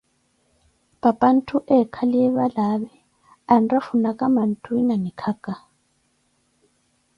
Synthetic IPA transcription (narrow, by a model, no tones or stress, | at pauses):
papʼan̩tʰuʔɛkʰaliɛβalaβɛ | anrafunakʼaman̩tʰuinanikʰakʼa